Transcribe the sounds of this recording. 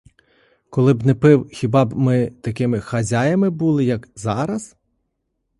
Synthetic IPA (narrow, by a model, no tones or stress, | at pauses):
kɔlˠɪbnɛpɪwxʲibɑbmɪt̪ɐkɪmɪxɐzʲajɐmɪbulˠɪjɐkzɑɾɐz